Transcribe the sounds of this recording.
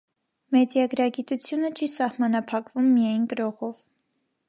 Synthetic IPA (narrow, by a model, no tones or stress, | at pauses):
mɛdjɛɡɾɑɡit̪ut͡sʰjunət͡ʃʰisɑhmɑnɑpʰɑkvumːijɑjnkəɾɔʁɔv